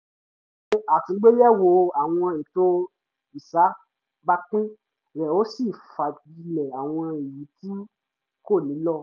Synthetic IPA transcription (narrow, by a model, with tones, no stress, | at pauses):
a˨tĩ˨˧˦ɡ͡be˦jɛ˦wo˧˨a˨w̃ɔ̃˧e˨to˧˦ | i˨sa˨˦ | ba˦k͡pũ˦ | ɾɛ˨o˦si˦˨fa˨di˧lɛ˨a˨w̃ɔ̃˧e˨ji˨˦ti˦ | ko˦˨nĩ˨˦lɔ˦˨